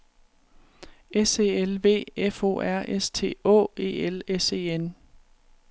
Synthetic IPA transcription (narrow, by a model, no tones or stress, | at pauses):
ʔese̝ːelʋe̝̰ːefɔ̝̰ːæɐ̰ʔest͡sʰe̝̰ːɔ̰̽ːe̝̰ːelese̝̰ːen